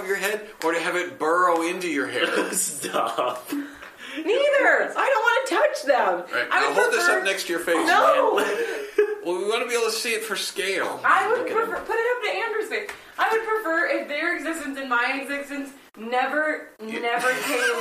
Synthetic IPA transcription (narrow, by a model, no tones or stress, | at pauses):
vjə˞ɦɛɾʔə˞ɾɨːvɨt̚b̥ɜ˞oʊɪ̃ntʉjə˞hɛstʌf | niðə˞aɪɾõʊ̃nʔwɑ̃nɨtʰʌt͡ʃðə̃mɹaɪtʔaɪwaholˠd̪̚ðɪsʌp̚nɛkstʰɨjə˞feɪno | wɛlˠwiwɑ̃nɨbieɪbl̩ˠtʰɨsiɨtfə˞skeɪlˠaɪwəd̚pʰɹ̥ɨfə˞pʰʊɾɨɾʌp̚nɨæ̃mbə˞si | aɪwɨd̚pʰɹ̥ɨfɜ˞ɪfðə˞ɨɡzɪstɨ̃nsɨ̃nmaɪɨɡzɪstɨ̃ns | nɛvə˞nɛvə˞kʰeɪ